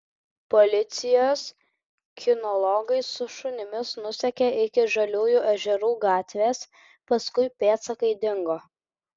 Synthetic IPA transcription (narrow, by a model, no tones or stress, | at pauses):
pɔlʲɪt̪sʲɪjoːs | kʲʰɪnɔlˠɔɡɐɪsʊʃʊnʲɪmʲɪsnʊsʲɛkʲeʔɪkʲɪʒɐlʲuːjuːʔɐʒʲɛɾuːɡɑːt̪ʲʋʲeːs | pɐskʊɪpʲeːt̪sɐkɐɪd̪ʲɪŋɡoː